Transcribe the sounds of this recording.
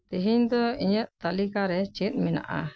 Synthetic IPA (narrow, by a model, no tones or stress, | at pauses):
t̪iɦiɲd̪ɔiɲəʔ̪̚t̪alikaɾɛt͡ʃit̪̚ˀmɛna̰ʔa̰